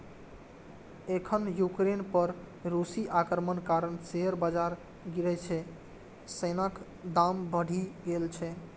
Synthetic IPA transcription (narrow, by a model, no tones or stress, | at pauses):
ekʰənjukɾenpəɾ | ɾusiʔakəɾmənkaɾənseɦəɾbad͡ʒaɾ | ɡiɾɛt͡ʃʰɛ | sənak | d̪ambəɽ̤ʱiɡelt͡ʃʰɛ